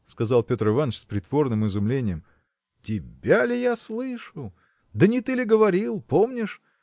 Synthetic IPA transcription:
skɐzalˠpʲo̞t̪rɨvanːət͡ɕspɾʲɪt̪vo̞rnɨmɨzʊmlʲenʲɪjəm | tʲɪbʲalʲɪjaslˠɨʂʊ | d̪ənʲɪt̪ɨlʲɪɡəvɐɾʲilˠpo̞mnʲɪʂ

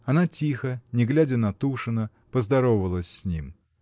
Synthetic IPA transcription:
ɐnatʲixənʲɪɡlʲædʲənɐt̪uʂɨnə | pəzd̪ɐɾovvəlˠəsʲsʲnʲim

